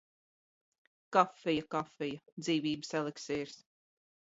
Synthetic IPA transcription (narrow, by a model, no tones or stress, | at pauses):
kafːɛjakafɛjad̪ziːvʲiːbɨsɛlˠekseːɾs